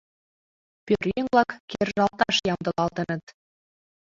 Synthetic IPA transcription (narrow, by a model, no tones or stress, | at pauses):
pʲørjeŋβlɑkkerʒɑlt̪ɑʃjɑmd̪ɤ̆lɑlt̪ə̆nɤ̆t̪